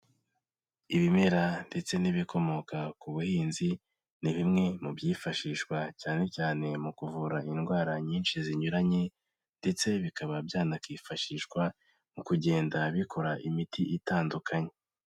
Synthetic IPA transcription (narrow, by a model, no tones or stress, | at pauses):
iβime̞ɾande̞t͡se̞niβikʰo̞mo̞kakuβuhiːnzi | niβimŋe̞mubjiːfaʃiʃkwacaːne̞caːne̞mukuvuɾaʔinɡwaːɾaɲiːnʃiziɲuɾaɲe̞ | nde̞t͡se̞βikaβabjaːnakwiːfaʃiʃkwa | mukuɟe̞ːndaβikʰo̞ɾaʔimitʰiʔitaːndukʰaɲe̞